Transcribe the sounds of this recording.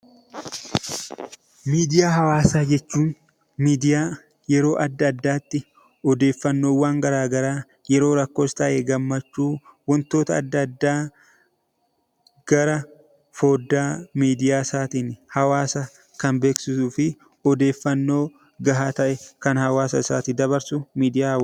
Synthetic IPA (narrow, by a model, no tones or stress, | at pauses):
miːd̪ɪjaːɦɐwaːsaːd͡ʒɛt͡ʃːuːn | miːd̪ɪjaː | jɛɾo̞ːʔɐd̪ːɐd̪ːaːt̪ːɪ | ɔd̪e̞ːfːɐnːo̞ːwaːŋɡɐɾaːɡɐɾaː | jɛɾo̞ːɾɐkːo̞ːst̪ɐʔeɡɐmːɐt͡ʃːuːwɔnt̪o̞ːt̪ɐːd̪ːɐd̪ːaː | ɡ̥ɐɾɐ | fo̞ːd̪ːaːmiːd̪ɪjaːsaːt̪iːnhɐwaːsɐ | kɐnbe̞ːksɪsuːfɪ | ɔd̪e̞ːfːɐnːo̞ː | ɡɐɦaːt̪ɐʔɛkɐnhɐwaːsɐsa̰ːt̪iːd̪ɐβɐɾsʊmiːd̪ɪjaːhɐw